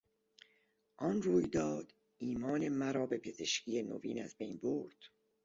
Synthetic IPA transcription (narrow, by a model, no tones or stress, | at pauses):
ʔɒnruːjd̪ɒːd̪̥ | iːmɒːne̞mæɾɒːbe̞pʰe̞ze̞ʃcijeno̰vḭːnæ̰zbe̞jnboɾd̪̥